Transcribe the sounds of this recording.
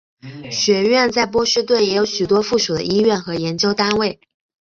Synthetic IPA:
ɕɥɛ˧˥ɥɛ˥˧nt͡sa˥˩ɪp̬wɔ˥ʂɻ̩˥˧t̪wə˥˩njɛ˧˥jo˧˥ʊɕy˨˩t̪wɔ˥fu˥˩ʂu˨˩d̪ə̰˦ʔi˥ɥɛ˥˩nxɤ˧˥jɛ˧˥nt͡ɕjo˥ʊt̪a˥nwe˥˩ɪ

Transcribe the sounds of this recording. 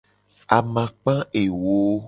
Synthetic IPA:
a˨mã˨k͡pã˦e˨wo˨˦

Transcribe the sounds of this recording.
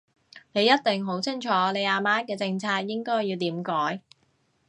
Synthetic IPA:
ne˨˧jɐ˥t̚t̪ɪ˨ŋɦo˨˥wt͡sʰɪ˥ŋt͡ʃʰɔː˨˥nle˨˧jaː˧maː˥nkɛː˧t͡sɪ˧ŋt͡sʰaː˧k̚jɪ˥ŋkɔː˥jːiː˧wt̪iː˨˥mkɔː˨˥j

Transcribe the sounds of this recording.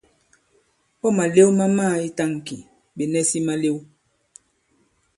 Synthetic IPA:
ɔ˦ma˨le˦wma˦maː˦˨i˦ta˦˨ŋ˨ki˨ | be˨nɛ˦si˦ma˦le˦w

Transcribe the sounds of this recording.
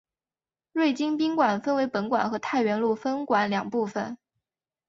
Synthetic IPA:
ɻwe˥˩ɪt͡ɕi˥ŋpi˥ŋkwa˨˩nfə˥nwe˧˥ɪpə˧˥nkwa̰˨˩nxɤ˧˥t̪ʰa˥˩ɪɥɛ˧˥nlu˥˩fə˥nkwa˧˥nljɑ˨˩ŋpu˥˩fə˨˩n

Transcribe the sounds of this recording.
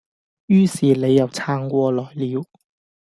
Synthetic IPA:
jyː˥siː˨le˨˧jːɐ˨˩wt͡sʰaː˧ŋkʷɔː˧lɔː˨˩jliː˨˧w

